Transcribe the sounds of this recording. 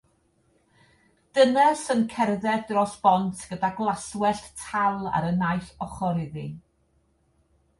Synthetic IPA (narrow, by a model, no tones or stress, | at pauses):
d̥ənɛsənkʰɛrðɛdrɔsb̥ɔntʰɡ̥ədaɡlˠaswɛɬtʰalˠa̰ɾənajθɔχɔɾɪðɪ